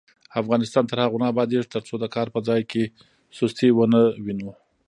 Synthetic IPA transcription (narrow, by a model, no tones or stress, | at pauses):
afɣɑnɪst̪ɑnt̪əɾhaɣunɑbɑd̪eʐt̪əɾt͡sod̪əkɑɾpəd͡zɑjke | sost̪ewənəwinu